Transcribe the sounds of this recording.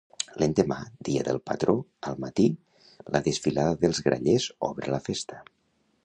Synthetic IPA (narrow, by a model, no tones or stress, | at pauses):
lend̪əmad̪iəðəlˠpət̪ɾoəlˠmat̪i | ləðəsfilaðəðəlˠzɣɾa̰ʎezɔ̰βɾələfest̪ə̥